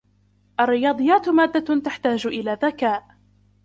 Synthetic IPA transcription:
ʔarːɪjɑːd̪ˤɨjːaːt̪maːd̪ːat̪aħt̪aːd͡ʒʔɪlaːðakaːʔ

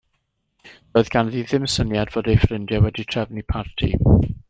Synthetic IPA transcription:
ð̥oːɨðɡ̥anðiðɪmsənjadv̥oːdejfrɪndjawɛditʰr̥ɛvnipʰartʰḭ

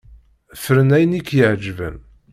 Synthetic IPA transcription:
fɾənæjnikːjəʕd͡ʒvə̰n

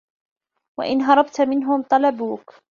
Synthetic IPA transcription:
wa̰ʔɪnɦɑɾˤɑbt̪mɪnɦʊmt̪ˤɑlɑbuːk

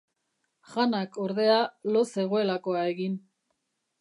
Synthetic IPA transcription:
ʝanako̞ɾðe̞alo̞se̞ɣ̞o̞e̞lako̞ae̞ɣin

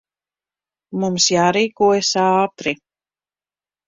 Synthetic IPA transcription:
mumsjaːɾiːkuɔjasɑːt̪ɾi

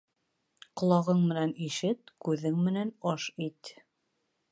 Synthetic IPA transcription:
qŏlˠɑʁɤɴmɘ̆næniʃɘt̪kʉðɘŋmɘ̆nænɑʃit̪

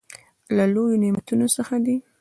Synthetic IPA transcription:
lalojonimat̪unosəxad̪i

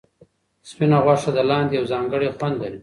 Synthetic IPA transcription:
spinaɣwaʂad̪alɑːnd̪jawzɑːŋɡəɽexwand̪laɾi

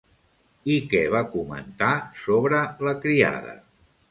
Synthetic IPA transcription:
ikɛβakumə̰nt̪asoβɾələkɾia̰ðə̰

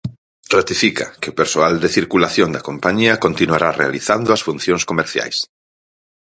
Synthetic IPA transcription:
rat̪ifikɐ̰kɪopeɾsoald̪eθiɾkulaθjond̪ɐkompaɲiɐkont̪inuaɾarea̰liθand̪ʊɐsfun̟θjõŋskomeɾθja̰js

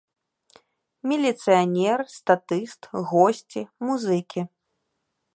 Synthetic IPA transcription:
mʲilʲit̪sɨjanʲɛrst̪at̪ɨst̪ɣɔsʲt͡sʲimuzɨkʲi

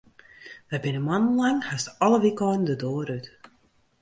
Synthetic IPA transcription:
ʋɛbɪnəmanən̩laŋhastɔləʋikɔːn̩dədoːɾyt

